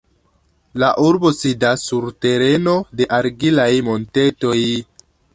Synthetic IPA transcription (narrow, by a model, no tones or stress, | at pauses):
laʔuɾbo̞sidasːuɾte̞ɾeno̞de̞ʔaɾɡilajmo̞nte̞to̞j